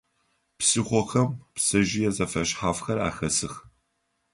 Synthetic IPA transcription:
psɨχʷɔxɐmpsɐʒɪjɛzɐfɐɕħaːfxɐra̰ːxɐsɨx

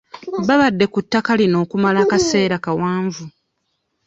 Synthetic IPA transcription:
βaβadːe̞kutːakalino̞ːkumalaːkase̞ːɾakawaːɱvu

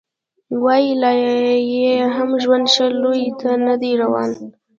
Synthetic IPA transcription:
wɑjilajjeɦamʒwand̪ʃalojt̪ʰanad̪eɾawɑ̰n

